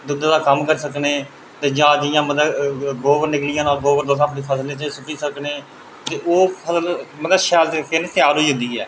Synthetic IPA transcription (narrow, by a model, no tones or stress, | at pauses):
d̪ʊd̪ãːd̪aːkəmkəɾsəkneː | t̪eːd͡ʒãːd͡ʒ̪ɪjãːmət̪əɡoːʋəɾnɪklɪjãːnaːlɡoːʋəɾd̪oːsaːpniːpʰəsleːt͡ʃəsʊkiːsəkneː | t̪eːʔoːpʰəsəlmət̪əʃɛːlekenet̪ɪaːlɦoiːɦʊ̃nd̪iːɛ̰ː